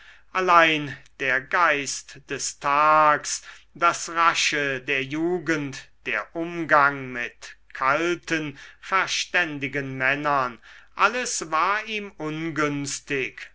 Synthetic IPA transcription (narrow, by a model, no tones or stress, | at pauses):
ʔalaɪnd̥eːɐɡaɪstd̥ɛstʰaːks | d̥asʁaʃədeːɐjuːɡəntd̥eːɐʔʊmɡaŋmɪtkʰaltənfɛɐʃtɛndɪɡənmɛnɐnʔaləsvaːɐiːmʔʊnɡʏnstɪk